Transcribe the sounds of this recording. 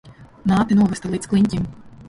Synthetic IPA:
naːt̪inuɔvʲɛst̪alˠiːt̪sklˠiɲʲtʲim

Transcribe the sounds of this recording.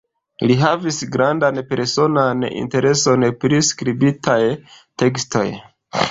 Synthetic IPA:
liɦavisɡɾandanpe̞ɾso̞nanḭnte̞ɾe̞so̞npɾiskɾibitʰaj | te̞kstʰo̞̰j

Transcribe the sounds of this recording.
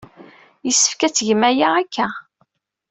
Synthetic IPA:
jəsːə̥fkæt͡sːʝmæjaækːæ

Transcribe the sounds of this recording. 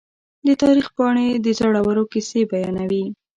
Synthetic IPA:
d̪ət̪ɑɾixpɑɳed̪əzaɽawəɾokisebajɑnawi

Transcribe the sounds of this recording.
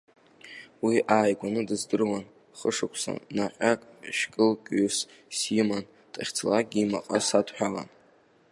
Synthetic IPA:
wiʔaːjɡʷanɨdɨzdɨrwan | χəʂɨkʷʰsa̰naqʲʼakʼʃkʼɨlkʲʼʏs | siman | tʼaχʲt͡sʰlaɡʲima̰qʼasadʰħʷᶣala̰n

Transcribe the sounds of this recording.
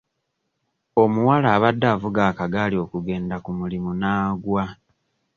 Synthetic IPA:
o̞muwalaːβadːaːvuɡaːkaɡaːlio̞ːkuɡe̞ːndakumulimunaːɡwa

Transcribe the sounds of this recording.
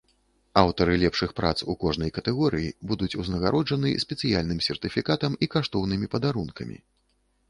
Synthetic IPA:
awt̪ɐɾɨlʲɛpʂɨxpɾʔa̰t̪sukɔʐnɐjkɐt̪ɛɣɔɾɨjibud̪ut͡sʲuznɐɣaɾʔɔd͡ʐɐnɨsʲpʲɛt̪sɨjalʲnɨmsʲɛrt̪ɨfʲikat̪ɐmikaʂt̪ɔwnɨmʲipɐd̪aɾunkɐmʲḭ

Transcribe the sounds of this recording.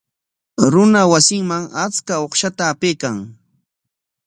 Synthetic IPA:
ɾʊnawasɪŋmaŋat͡skaoχʃat̪aːpejkaŋ

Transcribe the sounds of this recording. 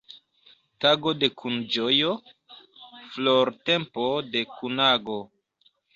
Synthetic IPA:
taɡo̞de̞kʰund͡ʒojo | floɾte̞mpo̞de̞kunaɡo

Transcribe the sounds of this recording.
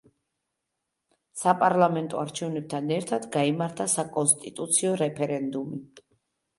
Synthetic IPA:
sapʼaɾlˠamɛnt̪ʼɔaɾt͡ʃʰɛvnɛb̚t̪ʰanɛɾt̪ʰad̪ɡaimaɾt̪ʰasakʼɔnst̪ʼit̪ʼut̪sʰiɔɾɛpʰɛɾɛnd̪umi

